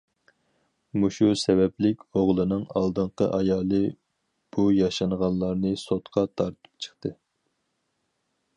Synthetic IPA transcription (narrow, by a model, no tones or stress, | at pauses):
muʃusɛvɛplɪkʲoʁlˠɨnɨŋɑlˠd̪ɨɴqəʔɑjɑːlˠɨ | b̥ujɑʃɑnʁɑnˠlːˠɑɾnɨsot̪qʰɑt̪ʰɑɾt̪ʰɨ̥p̚t͡ʃʰə̥χt̪ɨ